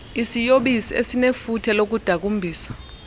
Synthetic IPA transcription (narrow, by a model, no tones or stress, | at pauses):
isijoɓisiḛsinefutʰɛlok̬ud̥ʱak̬umbʱiːsḁ